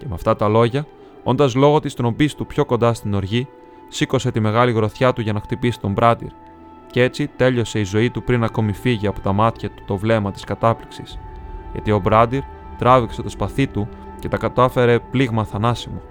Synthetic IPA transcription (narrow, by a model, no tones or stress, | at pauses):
ce̞meɐft̪ɐt̪ɐlo̞ʝɐ | o̞nd̪ɐzlo̞ɣo̞t̪ist̪ɾo̞mbist̪upço̞kond̪ɐst̪ino̞ɾʝi | siko̞se̞t̪ime̞ɣɐliɣɾo̞θçɐt̪uʝɐnɐxt̪ipisi̥t̪o̞mbɾɐd̪ḭɾ | cee̞t͡sit̪e̞ʎo̞se̞izo̞it̪upɾinɐko̞mifiʝiɐpo̞t̪ɐmɐt̪çɐt̪u̥t̪o̞vle̞mɐt̪i̥skɐt̪ɐpliksisʝɐ̰t̪io̞bɾɐd̪iɾ | t̪ɾɐvikse̞t̪o̞spɐθit̪u | ce̞t̪ɐkɐt̪ɐfe̞ɾe̞pliɣmɐθɐnɐsimo̞